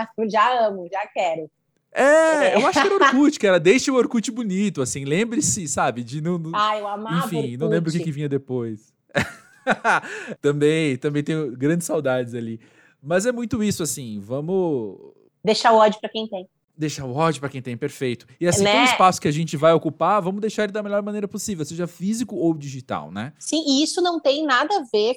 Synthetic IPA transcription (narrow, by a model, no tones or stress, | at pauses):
asʒaɐ̃mʊʒakɛɾʊ | ɛewwaʃkɪɛɾɐoɾkut͡ʃɪ̥kɪɛɾɐd̪ejʃɐʊoɾkut͡ʃɪbunit̪ʊasĩlẽmbɾɪsɪsabɪd͡ʒɪnɐ̃w̪̃aewamaẽfĩnɐ̃w̃lẽbɾʊkɪkɪvĩɲɐd̪epojs | ɛ | t̪ɐ̃mbẽj̃t̪ɐ̃mbẽt̪ẽj̃ʊɡɾɐ̃nd͡ʒɪsawd̪ad͡ʒɪzali | mɐzɛmũj̃t̪ʊisʊasĩvɐ̃mʊ | d̪ejʃaʊɔd͡ʒʊpɾɐkẽj̃t̪ẽj̃ | d̪ejʃaɾʊɔd͡ʒʊpɾɐkẽj̃t̪ẽj̃peɾfejt̪ʊ̥ɪasĩʊ̃ispasʊ̥kɪaʒẽnt͡ʃɪvajokupaɾvɐ̃mʊzd̪ejʃaɾɛlɪd̪ɐmeʎɔɾmɐ̃nejɾɐposivewseʒɐfizikʊowd͡ʒiʒit̪a̰wnɛsĩɪisʊnɐ̃w̃t̪ẽj̃nad̪ɐveɾ